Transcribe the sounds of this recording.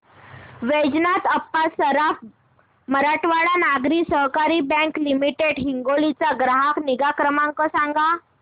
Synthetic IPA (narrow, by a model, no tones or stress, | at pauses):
ʋed͡ʑnat̪əpːasəɾaf | məɾaʈʋaɽanaɡɾiːsəɦkaɾiːbɛ̃ŋklimiʈeɽɦiŋɡolit͡saɡɾaɦakniɡakɾəmãŋkɔsaŋɡa